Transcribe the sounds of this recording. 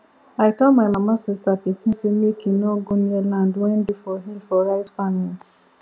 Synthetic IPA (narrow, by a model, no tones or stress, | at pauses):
aɪtɔmaɪmamasɪstapikĩn̩semekinɔɡonialãndwɛ̃n̩difɔɦilfɔɾaɪzfamil